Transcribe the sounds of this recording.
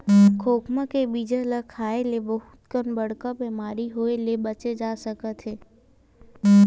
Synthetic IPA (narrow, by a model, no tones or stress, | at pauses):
kʰoːkmãkebiːd͡ʒələkʰaːelebəɦʊt̪kənbɐɽ̤kabeːmaːɾiɦoːelebɐt͡ʃed͡ʒaːsəkət̪ɦeː